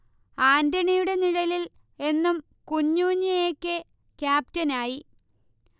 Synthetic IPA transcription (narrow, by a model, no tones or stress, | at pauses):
aːndɐɳijuɽe̞niɻɐlil | e̞nːum | kuɲːuːɲːɐjeːkʲːe | kjaːp̚tɐnaːji